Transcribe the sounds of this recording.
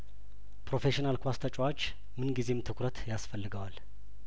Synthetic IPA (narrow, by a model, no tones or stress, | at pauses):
pɾo̞fe̞ʃinalkʰʷast̪ʰʼət͡ʃʼwot͡ʃː | mɨnɡize̞mt̪ʰɨkʰʷɾət̪jasfəlːɨɡəwal